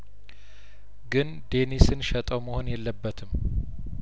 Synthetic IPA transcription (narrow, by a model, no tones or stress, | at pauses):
ɡɨn | d̪e̞nisɨnʃət̪ʼəwməhonjɛlːəbːət̪ʰɨm